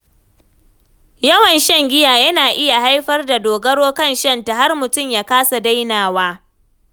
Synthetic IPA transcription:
jɐ˦wɐ˨nʃɐ˦ŋɡʲɪ˦jaː˨jɐ˦naː˨ʔɪ˦ja˨ha˦jɸɐ˦rda˨doː˨ɡɐ˦ɽoː˦kɐ˦˨nʃɐ˦nta˨ha˦rmʊ˨tʊ˦˨mjaː˦kaː˦sa˨da˦jnaː˨waː˦

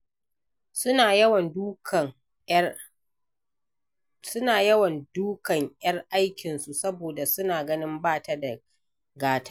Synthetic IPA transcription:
sʊ˦aː˨jɐ˦wɐ˨ndu˦k | sʊ˦naː˨jɐ˦wɐ˨nduː˦kɐ˨ŋʔjɐ˦rʔa˦jkʲɪ˨nsu˨sɐ˦boː˨da˨sʊ˦naː˨ɡɐ˦nɪ˦mbaː˦˨ta˦da˨ | ɡaː˦tʰḁ˦

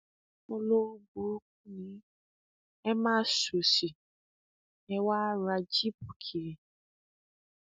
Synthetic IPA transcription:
mo˦lo˦bo˨˦k̚u˦nĩ˨˦ | ɛ˦mãː˦˨so˨si˨ | ɛ˦wa˦ɾa˨d͡ʒi˦pu˨kʰi˨ɾi˨

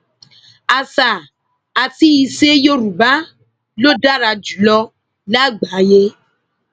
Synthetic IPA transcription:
a˨sa˨ | a˨ti˦ji˨se˦jo˦ɾu˨ba˦ | lo˦ɖa˦ɾa˨d͡ʒu˨lɔ˦ | la˦ɡ͡ba˨˦je˦

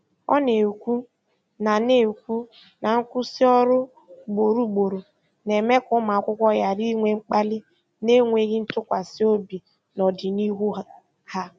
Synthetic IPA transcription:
ɔ̰˦ne˨kʷu˦ | na˨ne˨kʷu˦ | na˨ŋ̩˦kʷʊ˦si˦ɔ˦ɾʊ˦ | ɡ͡bo˨ɾu˦ɡ͡bo˨ɾu˨ | ne˨me˦kʊ˦ma˨a˨kʷʊ˦kʷɔ˦ja˨ɾi˦ŋʷe˨ŋ͡m̩˦k͡pa˦lɪ˦ | ne˦ŋʷe˨ɣɪ˦n̩˦tʊ˦kʷa˨sɪ˦o˦bi˨ | nɔ˨dɪ˨ni˦ɦu˦ | ha˦

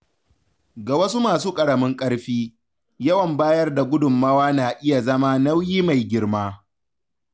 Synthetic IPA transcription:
ɡa˨wɐ˦su˦maː˨suː˦kʼɐ˨ɽɐ˨mɪ˦ŋkʼɐ˦ɽɸiː˦ | jɐ˦wɐ˨mbaː˦jɐ˦rda˨ɡʷʊ˦dʊ˨mːɐ˦waː˦naː˨ʔɪ˦ja˨zɐ˦maː˦na˦wjiː˦ma˨jɡʲɪ˦ɽmaː˦

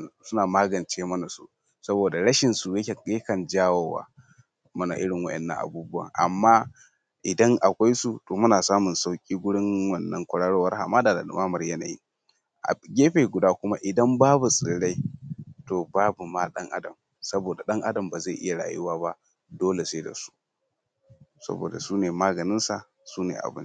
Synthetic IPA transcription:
sʊ˦naː˨maː˦ɡɐ˨nt͡ʃeː˦mɐ˦na˨sṵ˦ | sɐ˦boː˨da˨ɽɐ˦ʃɪ˨nsu˨jɐ˦kʲe˨ke˦kɐ˨nd͡ʒaː˦woː˨wa̰ː˦ | mɐ˦na̰˨ʔɪ˦ɽɪ˨ŋwɐ̰˦ʔɛ̰˨nːɐ̰˦ŋʔa̰˨buː˦bʊ˦a̰˨ʔa̰˨mːaː˦ | ʔɪ˨dɐ˦ŋʔa˨kʷa˦jsu˨toː˨mʊ˦naː˨saː˦mʊ˨nsa˦wkʲʼiː˦ɡʷʊ˦ɽɪ˦ŋwɐ˨nːɐ˦ŋkʷʊ˨ɽaː˦ɽo˦wɐ˦rha˨maː˦daː˨da˨da̰˨ma˦mɐ˨rjɐ˦na̰ː˨jḭ˦ | ʔa˨ɡʲeː˦ɸeː˨ɡʷʊ˨daː˦kʷʊ˦ma˦ʔɪ˨dɐ˦mbaː˦bu˨sʼɪ˨ɽa˦jtoː˨baː˦bu˨maː˦ɗɐ̰˦ŋʔa̰˦dɐ˨m | sɐ˦boː˨da˨ɗɐ˦ŋʔa˦dɐ˨mbaː˨za˦˨ʔɪ̰˦ja˨ɽa̰ː˨jʊ˦waː˦ba˦ | doː˦le˨se˦da̰˨su̥˦ | sɐ̰˦bo̰ː˨da˨suː˦neː˨maː˦ɡɐ˨nɪ˦nsa˨ | suː˦nḛː˨ʔa̰˨bɪ̰˦n˦

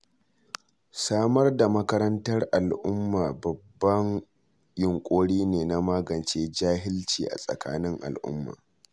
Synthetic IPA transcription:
saː˦mɐ˦rda˨mɐ˦kɐ˦ɾɐ˦ntɐ˦rʔa˨lʔʊ˦mːaː˨bɐ˨bːɐ˦ŋ | jɪ˨ŋkʷʼoː˦ɽiː˦neː˨na˦maː˦ɡɐ˨nt͡ʃeː˦d͡ʒaː˦ɦɪ˦lt͡ʃḭː˨ʔa̰˨sʼɐ̰˨ka̰ː˦nɪ˦ŋʔa̰˨lʔʊ̰˦mːa̰ː˨

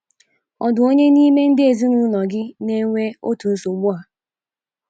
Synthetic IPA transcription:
ɔ˨dʊ˨o˦ɲe˦ni˦me˦n̩˦dɪ˦e˨zi˦nu˦lɔ˨ɡɪ˦ne˦ŋʷe˦o̰˦tu˨n̩˦so˨ɡ͡bʊ˦a˨

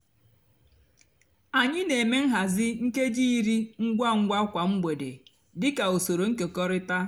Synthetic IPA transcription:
a˨ɲɪ˦ne˨me˦ŋ̩˦ɦa˨zɪ˦ŋ̩˦ke˦d͡ʒiː˦i˦ɾi˦ŋ̩˦ɡʷa˦ŋ̩˦ɡʷa˦kʷa˨ŋ͡m̩˦ɡ͡be˨de˨ | dɪ˦ka˨o˨so˨ɾo˨ŋ̩˦ke˨kɔ˦ɾɪ˦ta˦

